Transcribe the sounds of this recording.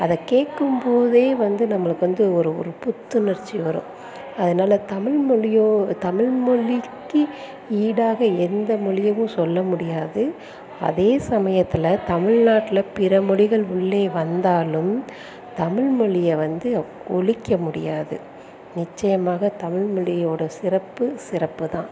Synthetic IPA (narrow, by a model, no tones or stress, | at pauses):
ɐðɐkeːʈkɯmpoːðeːʋɐnd̪ɯnɐmːɐɭɯkːɯʋɐnd̪ɯɔɾɯɔ̰ɾɯpʊt̪ːɯnɐɾt͡ʃːiʋɐɾõ̰ | ɐðɐnaːlɐt̪ɐmɪɻmɔlɪjoːt̪ɐmɪɻmɔɭɪkːɯ | iːɽaːɣɐɛnd̪ɐmɔɭɪjɐʋɯ̃sɔlːɐmʊɽɪjaːðɯ | ɐ̰ðeːsɐmɐjɐt̪ːɪlɐt̪ɐmɪɻnaːʈːɪlɐpɪɾɐmɔɭɪɣɐɭʊɭːeːʋɐnd̪aːlɯm | t̪ɐmɪɻmɔɻɪjɐʋɐnd̪ɯ | ɔɭɪkːɐmʊɽɪ̰jaːðɯ | nɪt͡ʃːɐjɐmaːɣɐt̪ɐmɪɻmɔɭɪjoːɽɐsɪrɐpːɯsɪɾɐpːɯt̪ãː